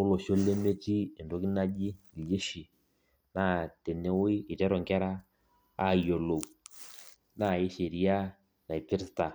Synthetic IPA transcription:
ʊ˦lɔ˨ʃo˦le˦me˦t͡ʃi˦ɪ˨ndɔ˦kɪ˦na˦d͡ʒɪ˦˨lje˦ʃi˨ | na˦˨te˨ne˦wʊ˦ɪ˦ɪ˨tɛ˦ɾɔ˨ŋkɛ˦ɾa˦ | a˦˨jo˨lo˨ | na˦˨ɪ˦ʃe˨ɾi˦a˦ | na˨ɪ˨pɪ˦ɾsta˨

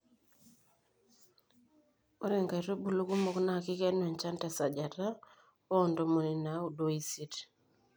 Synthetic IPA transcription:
o˦ɾe˨ŋɡa˨i˨ɾo˦bu˨lo˦ku˦mo˨kna˦˨kɪ˦kɛ˦no˨ɲt͡ʃa˦nta˨sa˨d͡ʒa˨ta˦ | ɔ˦˨ndo˨mo˨ni˨na˨˦u˨do˦i˨si˦t

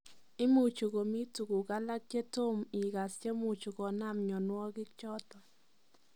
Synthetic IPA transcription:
ɪ˦mu˨t͡ʃu˨ɡo˨mi˦tu˨ɡu˨ɡa˦la˦k̚t͡ʃe˦to˦mɪ˨ɡa˨st͡ʃe˦mu˨t͡ʃu˨ɡɔ˨na˦mɲɔ˨nwɔ˦ɡɪ˦kt͡ʃɔ˦t̪ɔ˨

